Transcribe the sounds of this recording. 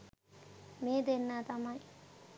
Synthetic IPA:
meːd̪enːaːt̪ɐmaj

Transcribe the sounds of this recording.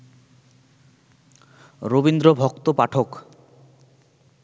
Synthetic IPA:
ɾobind̪ɾobʱɔkt̪opaʈʰok

